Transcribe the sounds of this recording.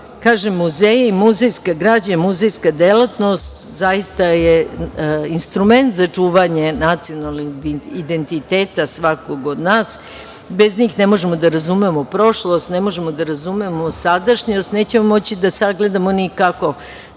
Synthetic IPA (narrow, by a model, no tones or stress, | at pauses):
kaːʒemːuzejeimuzejskaɡɾaːd͡ʑamuzejskad̪elat̪no̞st̪ | zajist̪aje | inst̪ɾume̞nt̪zat͡ʂuːʋaɲenat̪sijonalniid̪e̞nt̪it̪eːt̪asʋako̞ɡod̪naːs | be̞zɲiːxnemoʒemo̞d̪aɾazumemopɾo̞ʃlˠost̪nemoʒemo̞d̪aɾazumemosad̪aʃɲost̪neːt͡ɕemomo̞t͡ɕid̪asaɡle̞d̪amonikako̞